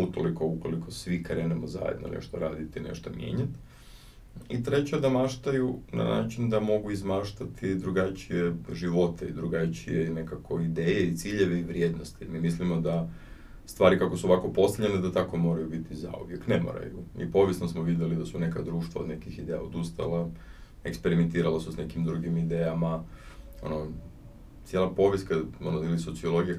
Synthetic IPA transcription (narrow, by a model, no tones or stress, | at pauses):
ut̪o̰liko̞uko̞likʰo̞sʋikaɾenamoza̰jḛd̪no̰nʔḛʃt̪oɾaːd̪it̪ine̞̰ʃt̪omje̞̰ːɲat̪ | it̪ɾet͡ɕad̪amaʃt̪ajuna̰na̰ːt͡ʃind̪amo̞ɡuizmaːʃt̪at̪id̪ɾuɡat͡ʃije̞ʒiʋo̞t̪eid̪ɾuɡat͡ʃije̞inekakʰo̞id̪eːjeit̪siːʎe̞ʋeiʋɾje̞ːd̪nost̪imimislimo̞d̪a | st̪ʋaːɾikakosuoʋako̞po̞st̪aʎened̪at̪ako̞mo̞ɾajubit̪iza̰ṵʋje̞knemo̰ɾa̰juḭpo̞ʋjesnosmoʋid̪ʲjelid̪asunekad̪ɾuːʃt̪ʋa̰od̪ne̞kixid̪eja̰od̪ust̪a̰la | e̞kspeɾiment̪iːɾalasusnekimd̪ɾuɡimid̪eːjamao̰no | t̪sje̞lˠapo̞ʋʲjeskao̞noiliso̞t̪sio̞lˠo̞ɡija